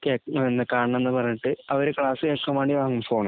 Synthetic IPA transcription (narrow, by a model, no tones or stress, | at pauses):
keːenːɨkaːɳɳɐmenːɨpɐrɐɲːuʈːɨɐʋɐɾekɭaːsɨkeːkːɐmaːɳiʋaːŋːumfo̞ːɳɨ